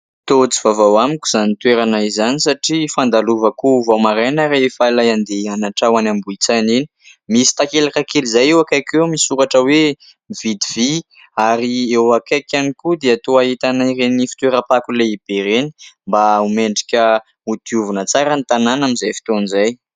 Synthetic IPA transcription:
t̪ot͡si̥vavawamikʲuz̥anit̪weɾanaizanisaʈ͡ʂifand̪aluvəkuvamaɾajnaɾefailajand̪eanaʈ͡ʂawanambuit͡saneni̥ | misi̥t̪akelakakelizajewakajkewmisuɾaʈ͡ʂəwe | iv̥id̪ivi | aɾiewakajkʲanikud̪eat̪oait̪anairenifi̥t̪weɾapakuleib̥eɾeni̥mbaumeɳɖ͡ʐikʲə | ud̪̥iuvunət͡saɾənit̪ananamizajfi̥t̪onizaj

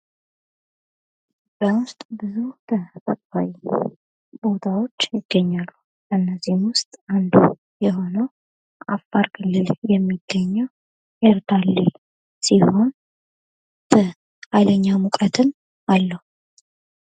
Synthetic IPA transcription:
b̥əwʊst̪ʼbɨzut̪ʰəfʼəkʼa̰wi | bo̞t̪ʰawo̞t͡ʃːjɪɡ̥ːəɲːalːu | ɨnːəzihmwʊst̪ʼand̪ṵ | jɛɦo̞nəw | ʔafaɾkʰɨlːɨljɛmːiɡ̥ːəɲːəw | ʔeɾt̪ʰalːi | sihon | bə | hajləɲːamukʼət̪ʰɨn | alːəhu

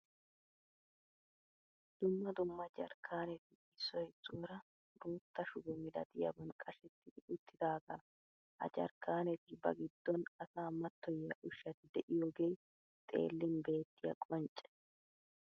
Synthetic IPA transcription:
d̪̥ʊmːɐd̪ʊmːɐd͡ʒɐ̰ɾkʰːaːnɛt̪ɪ | ɪsːɔjt͡sʼːoːɾɐ | ɾuːt̪ːɐʃʊɡɔmɪlɐ̰d̪ɪjɐ̰bɐnkʼɐʃɛt̪ːɪʔʊt̪ʰːɪd̪aːɡaː | ʔɐ̰d͡ʒɐ̰ɾkːaːnɛt̪ɪbɐ̰ɡɪd̪̥ːɔnɐsaːmɐt̪ːɔjɐ̰ʔʊʃːɐt̪ɪd̪ɛʔɪjoːɡej | t̪ʼe̞̰ːlːɪnbe̞ːt̪ːɪjɐ̰kʼɔnt͡ʃʼːɛ̥

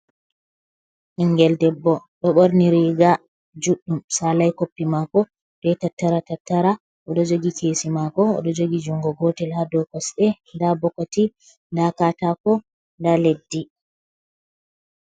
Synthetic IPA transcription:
ʔiŋɡɛldɛbːɔɗɔɓoɾniɾiɡa | d͡ʒuɗːumsalajkopːimakɔ | b̥ɛtatːaɾatatːaɾa | ʔɔɗɔd͡ʒoɡikʰesimakɔɔ̰ɗɔd͡ʒoɡid͡ʒuŋɡɔɡɔtɛlhadɔkɔsɗɛ | ndabɔkati | ndakatakɔ | ndaledːi

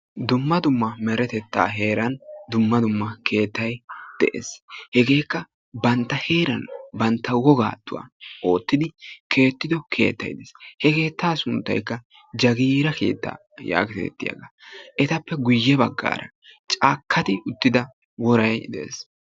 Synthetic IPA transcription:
d̪ʊmːɐd̪ʊmːɐmɛɾɛt̪ɛt̪ːa̰ːɦe̞ːɾɐnd̪ʊmːɐd̪ʊmːɐkʰe̞ːt̪ːɐjd̪̥ɛʔḛshɛɡe̞ːkːɐ | bɐnt̪ːɐhe̞ːɾɐnbɐnt̪ːɐwɔɡa̰ːt̪ːʊwa̰ːo̞ːt̪ːɪd̪ɪkʰe̞ːt̪ːɪd̪ɔkʰe̞̰ːt̪ːɐ̰jd̪ɛshɛke̞ːt̪ːaːsʊnt̪ːɐ̰jkːɐ | d͡ʒɐɡiːɾɐke̞̰ːt̪ːa̰ː | ja̰ːkɛɛ̰t̪ːɪ̰jɐ̰ɡaʔɛt̪ɐpːɛɡʊjːɛbɐ̰ɡːa̰ːɾʔɐ̰ | t͡ʃʼaːkʰːɐt̪ɪʊt̪ːɪd̪ɐ | wɔɾɐjd̪ɛʔḛːs

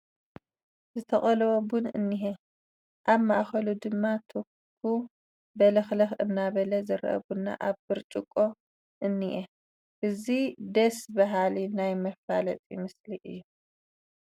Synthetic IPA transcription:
zɨt̪ʰɐχʼɐlɐwobunɨ̰nːiɦe | ʔaβma̰ʔxɐlud̪ɨmːat̪ʰu | kʰu | bɐlɐxlɐxɨnːaβɐlɐzɨɾʔɐ̰βunːa̰ʔaβbɨɾt͡ʃʼɪkʼːo̞ | ʔɨnːiʔe | ʔɨzid̪ɐsbɐɦalinajmɐfa̰lɐt͡s̪ʼimɨsliʔɨ̰jːu

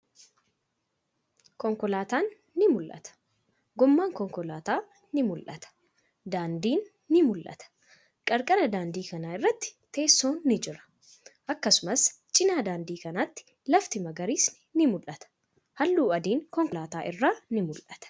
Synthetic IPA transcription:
kɔŋkɔlaːt̪aːnː | ɪmʊlʔɐ̰t̪ɐ̥ | ɡɔmːaːŋkɔŋkɔlaːt̪aː | nɪmʊlʔɐ̰t̪ɐ̥ | d̪aːnd̪iːnː | ɪmʊlʔɐ̰t̪ɐ̥ | kʼɐɾkʼɐɾɐd̪aːnd̪iːkɐnaːɪrːɐt̪ːɪ̥t̪e̞ːsːoːnːɪd͡ʒɪɾɐ̥ | ʔɐkːɐsʊmɐs | t͡ʃʼɪnaːd̪aːnd̪iːkɐnat̪ːɪ̥ | lɐft̪ɪmɐɡɐɾiːsnɪnɪmʊlʔɐt̪ɐ̥ | hɐlːuːɐd̪iːŋkɔŋkɔlaːt̪aːʔɪrːaːnɪmʊlʔɐt̪ɐ̥

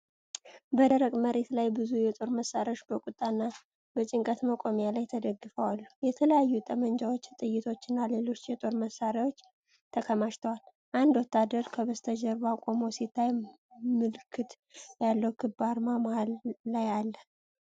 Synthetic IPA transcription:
bəd̪əɾəɡməɾe̞t̪lajbɨzujɛt̪ʼo̞ɾməsaɾoʃbəkʼut̪ʼːanːa | b̥ət͡ʃʼɪŋkʼət̪məkʼomjalajt̪ʰəd̪əɡːɨfəwalːujɛt̪ʰələjajːut̪ʼəmənd͡ʒawo̞t͡ʃːt̪ʼɨjːɪt̪ʰo̞t͡ʃːɪnːale̞lo̞t͡ʃːjɛt̪ʼo̞ɾməsaɾawo̞t͡ʃː | t̪ʰəkʰəmaʃt̪ʰəwal | ʔand̪wɔt̪ːad̪əɾkʰəβəst̪ʰəd͡ʒəɾbakʷʼomosit̪ʰːaj | mɨlkʰːɨt̪ | jalːəwkʰɨbaɾmamahalːajalːə

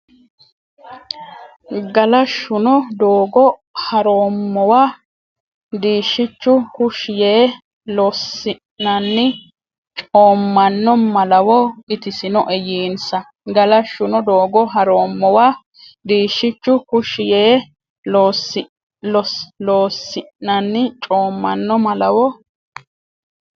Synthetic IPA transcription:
ɡɐlɐʃːʊnɔd̪oːɡɔhɐɾoːmːɔwaː | d̪iːʃːɪt͡ʃːʊkʊʃɪjeː | lɔsːɪ | nːɐnːɪ | t͡ʃʼoːmːɐnːɔmɐlɐwɔɪt̪ɪsɪnɔʔɛjiːnsɐ | ɡɐlɐʃʊnɔd̪oːɡɔɦɐɾoːmːɔwaː | d̪iːʃːɪt͡ʃːʊkʊʃɪjeː | loːsɪ | lɔloːsːɪnɐnːɪt͡ʃʼo̞ːmːɐnːɔmɐlɐwɔ

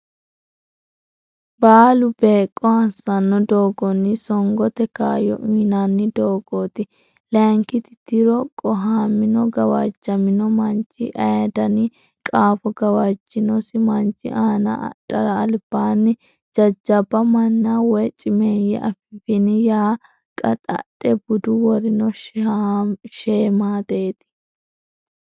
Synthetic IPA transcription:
baːlʊbeːkʼːɔɐsɐnːɔd̪oːɡɔnːɪsɔŋɡɔt̪ɛkaːjɔ̰ʔiːnanːɪd̪oːɡ̥oːt̪ɪ | lɛŋkɪt̪ɪt̪ɪɾɔkʼɔɦaːmɪnɔɡɐwa̰d͡ʒːɐmɪnɔmɐnt͡ʃːɪʔɐjɐd̪ɐni | kʼaːfɔɡɐwad͡ʒːɪnɔsɪmɐnt͡ʃːɪ̰ʔaːnɐ̰ᶑɐɾɐːlb̥aːnːɪ | d͡ʒɐd͡ʒːɐbɐmɐnːawɛt͡ʃʼɪmeːjɛ̰ʔɐfɪbɪnɪjaː | kʼɐt̪ʼɐ̰tːɛbʊd̪ʊwɔɾɪnɔʃ | ʃeːmaːt̪eːt̪ɪ̥

